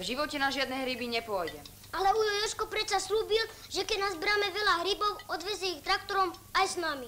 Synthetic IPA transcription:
vʒiʋɔcɛnaʒɪad̪nɛɦɾibiɲɛpʊɔjɟɛ | alɛujɔjɔʃkɔpɾɛt͡sasluːbilʒɛkɛɟnazbɾaːmɛʋɛlaɦɾibɔʊɔd̪ʋɛzjɛixt̪ɾakt̪ɔɾɔmajsnami

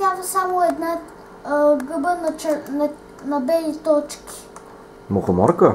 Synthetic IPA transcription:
jad̪əsamoɛd̪na | ɡəbənɐt͡ʃɛnɐ | nɐbɛlit̪ɔt͡ʃki̥ | moxomɔɾkə

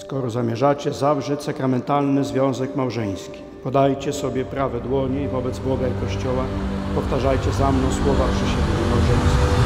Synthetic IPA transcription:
skɔɾɔzamʲjɛʐat͡ɕɛzavʐɛt͡ɕʲsakɾamɛnt̪alnɘzvʲjɔ̃w̃zɛkmawʐɛj̃skʲi̥ | pɔd̪ajt͡ɕɛsɔbʲjɛpɾavɛd̪wɔɲɛivɔbɛd̪zbɔɡaikɔɕt͡ɕɔwapɔft̪aʐajt͡ɕɛzamnɔ̃w̃swɔvapʂɛɕɛd̪ɲɛmawʐɛj̃skʲi

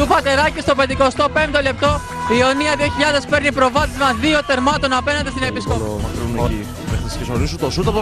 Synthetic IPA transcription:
upɐt̪e̞ɾɐcist̪o̞ped̪iko̞st̪o̞pe̞mt̪ole̞p̚t̪o̞ | io̞niɐðio̞çiʎɐðe̞spe̞ɾnipɾo̞vɐt̪ezmɐzðio̞θe̞ɾmɐt̪o̞nɐpe̞nɐnd̪est̪inepiskoɐɾn | vextiscesnoɾisut̪osut̪ɐpo

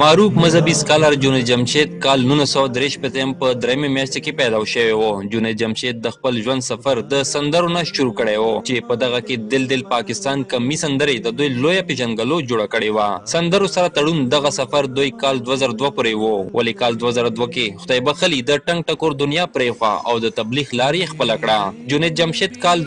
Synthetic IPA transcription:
maɾufmazɦabiskɑlaɾd͡ʒuned͡ʒamʃet̪̚kɑlnulasawad̪ɾeʃpet̪əjəmpəd̪ɾajamemjaʃt̪ekepɛd̪aʃəwewod͡ʒuned̪̚d͡ʒamʃet̪̚d̪əxpəlʒwand̪safaɾd̪əsand̪əɾonaʃʊɾukəɽewot͡ʃepəd̪aɣaked̪ɪld̪ɪlpɑkɪst̪ɑːnkɐmisand̪əɾed̪əd̪ujlojapeʒanɡalod͡ʒoɽakəɽewasand̪əɾosaɾat̪aɽund̪aɣasafaɾd̪ujkɑld̪wazaɾad̪wapuɾewowʔa̰likɑːld̪wazaɾad̪wakexʊd̪ajbaxəlid̪əʈaŋɡ̚ʈakoɾd̪ʊnjɑpɾexwa̰a̰wd̪ət̪ablixlɑɾjexpəlakɽad͡ʒunet̪̚d͡ʒamʃet̪kɑl

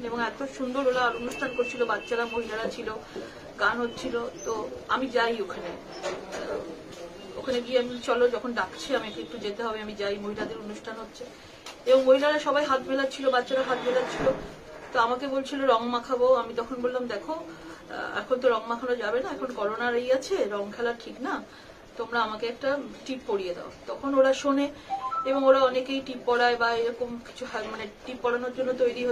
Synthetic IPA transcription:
eboŋɛk̚taʃund̪oɾolaːɾonuʃʈʰankoɾt͡ɕʰilobatːɕaɾamoɦilaɽat͡ɕʰilo | ɡanɦotːt͡ɕʰilot̪oamid͡ʑajokʰane | o̰kʰaneɡieamit͡ɕɔlod͡ʑɔkʰonɖakt͡ɕʰeamiekek̚t̪ud͡ʑet̪eɦɔbeamid͡ʑajmoɦilad̪eɾonuʃʈʰanɦotːɕʰe | eboŋmoɦilaɽaʃɔbajɦat̪melat͡ɕʰilobatːɕaɾaɦat̪̚belat͡ɕʰilo | t̪oamakebolt͡ɕʰiloɾɔŋmakʰaboamit̪ɔkʰonbollamd̪ɛkʰo̰ | ɛ̰kʰont̪̬oɾɔŋmakʰanod͡ʑabenaɛkʰonkɔɾonaɾejat͡ɕʰeɾɔŋkʰɛlaʈʰikna | t̪omɾaamakeɛk̚ʈaʈippoɽijed̪ḛo̰t̪ɔkʰonoɾaʃoneeboŋoɾaɔnekejʈipːɔɽaebaeɾɔkomki̥t͡ɕʰumaneʈipːɔɽanoɾd͡ʑonːot̪ojɾiɦo

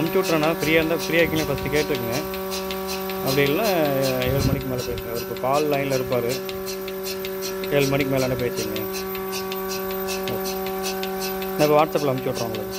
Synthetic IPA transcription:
ɐmt͡ʃːɔʈːɾãːnaːpɪɾɪjaːɾɯnd̪aːpɪɾɪjaːkɪŋlːfɐsʈɯkeːʈːɾɯkːɐŋɡɐ̃ | ɐpːɐɽɪŋɐlnãːeːɭmɐɳɪkːɯmeːlɐpeːsŋɡɐʋɐɾɯpːɐpaːllɐɪnlɐɪɾɯp̬ːaːɾɯ | eːɭmɐnɪkːɯmeːlɐnːap̬eːt͡ʃːɯŋɡẽ | soː | naːɪpːɐːʋaːʈsɐpːɪlɐɐmɪt͡ʃːʋːʈːɾõːnɐɐ

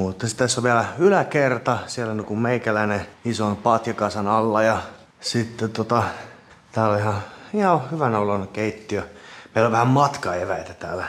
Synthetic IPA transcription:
mut̪ːɑsi̥t̪ːæsːoʋʋiælæylækert̪ɑsielːænikummeikælæineisonpɑt̪jɑkɑsɑnɑlːɑjɑ | sit̪ːet̪ot̪ɑ | t̪æːlolihɑihɑhyʋænæolːɑnːkeit̪ːiømeiloʋʋæhæmmɑt̪kɑeʋæit̪æt̪æːlæ

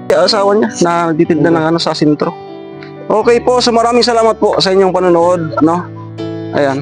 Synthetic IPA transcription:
aʔasaːwɐɲanɐnɐɡ̚t̪iːt̪ɪnd̪anɐŋɐno̞sɐsɛnt̪ɾo̞ | ʔoːkɛjpo̞ʔsomɐɾaːmɪŋsɐlaːmɐt̪̚po̞ʔsɐʔɪɲɲoŋpɐnʊnoʔo̞d̪̚ɐno̞ | ʔɐ̰jan

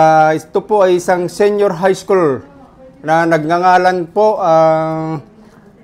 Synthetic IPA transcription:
aʔɪt̪opoʔɐjɪsaŋsɛnjoɾɦajskul | nɐnɐɡ̚ŋaŋaːlanpoʔa

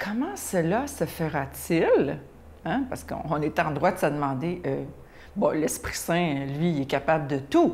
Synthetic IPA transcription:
kʰʌmɑ̃səlasəfəʁat͡sɪl | ãpaʁskəɔ̰̃ɔ̃net̪ɛɑ̃d̪ʁwad̪əsəd̪əmɑ̃d̪eʔø | bɔ̃lɛspχi̥sɛ̃lɥiɛkapabld̪ət̪u

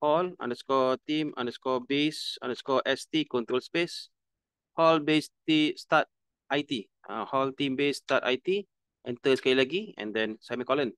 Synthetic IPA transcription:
hɔlã̰ndəskɔt̪ĩmã̰ndəskɔbesã̰ndəskɔʔɛstikɔ̃nt̪ɾolspes | hɔlbestistat̚ | ʔajti | ʔã̰hɔltĩmbestata̰jti | ʔɛ̃nt̪əskailəɡiɛ̰̃ndɛ̃nsamĩkɔlə̃n

